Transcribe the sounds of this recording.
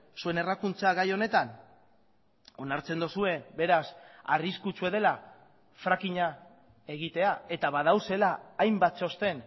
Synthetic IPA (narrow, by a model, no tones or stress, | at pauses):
sue̞ne̞rakunt͡saɣajo̞ne̞t̪an | o̞naɾt͡se̞nd̪usue̞be̞ɾasariskut͡sue̞ð̞e̞la | fɾakiɲa | e̞ɣ̞it̪e̞ae̞t̪aβaðawse̞laːjmbat̪so̞st̪e̞n